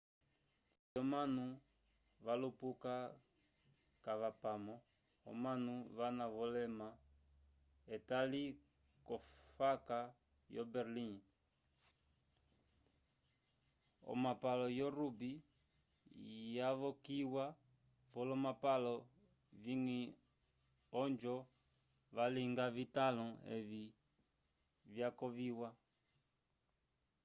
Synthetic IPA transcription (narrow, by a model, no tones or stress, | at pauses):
jɔmanu | βalupuka | kaβapamɔ | ɔ̰manuβanaβɔlɛma | ɛtali | kɔfaka | jɔbɛɾlin | ɔ̰mapalɔjɔɾubi | jaβɔkiwa | vɔlɔmapalɔ | viŋi | ɔnd͡ʒɔ | βaliŋɡavitalɔɛ̰βi | vjakɔviwa